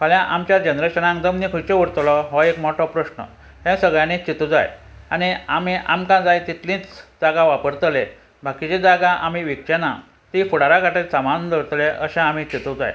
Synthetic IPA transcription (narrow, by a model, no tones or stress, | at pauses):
kəljãʔamt͡ɕjad͡ʑənɾeɕənãŋkd̪əmnikʰut͡ɕeuɽt̪lɔɦɔekmɔʈɔpɾəɕnə̰ | ɦẽsəɡɭjãnĩt͡ɕit̪ud͡za̰janiamiʔamkãd͡zajt̪it̪lĩt͡sd͡zaɡãʋapəɾt̪le | bʱakit͡ɕed͡zaɡãʔam̤iʋikt͡ɕena̰ | t̪ifuɽaɾakaʈesamand̪əɭt̪leʔəɕɛ̃am̤it͡ɕit̪ud͡za̰j